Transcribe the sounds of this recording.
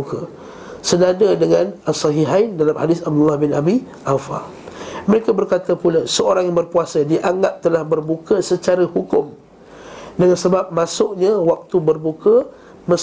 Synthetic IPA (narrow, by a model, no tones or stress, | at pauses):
uka | sənadədəŋãnasɑɦiɦaindalamhadɪsab̚dulːahbɪnabi | ʔawfa̰ | məɾekabərkat̪əpulasəoɾaŋjabərpuasədiʔaŋɡap̚t̪əlahbərbukəsət͡ʃaɾahukʊm | dəŋansəbap̚masʊʔɲawak̚t̪ubərbukə | mə̃